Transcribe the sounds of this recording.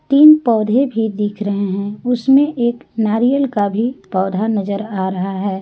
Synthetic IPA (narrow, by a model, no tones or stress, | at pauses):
t̪iːnpɔːd̪ʱebʱid̪iːkʰɾɐɦeɦɛ̃ʊsmẽʔeːknaːɾijəlkabʱipɔːd̪ʱanɐzəɾaːɾɐɦaɦɛː